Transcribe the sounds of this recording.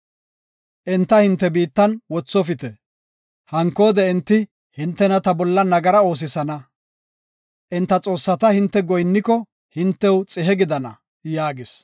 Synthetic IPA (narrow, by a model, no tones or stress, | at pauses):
ʔɪnt̪ːɐhɪnt̪ːɛbiːt̪ːɐnwɔt͡sːɔfɪt̪ɛ | hɐŋkːo̞ːd̪ɛɪnt̪ːɪ | hɪnt̪ːɛnɐt̪ɐbɔlːɐnɐɡɐɾɐo̞ːs̬ɪsɐnɐ | ʔɪnt̪ːɐt͡sʼo̞ːsːɐt̪ɐhɪnt̪ːɛɡɔjnːɪkɔ | hɪnt̪ːɛwt͡sʼɪɦɛɡɪd̪ɐnɐ̰ | jaːɡɪs